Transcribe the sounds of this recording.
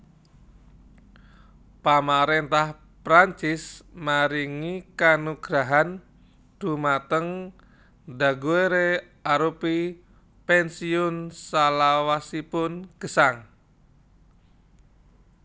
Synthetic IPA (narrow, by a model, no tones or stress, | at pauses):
pamaɾent̪ah | pɾaɲt͡ʃɪsmaɾiŋikanuɡ̥ɾaɦan | d̪̥ṳmat̪əŋ | daɡueɾe | aɾupi | pɛnsiʊnsalawasipʊnɡ̥ə̤saŋ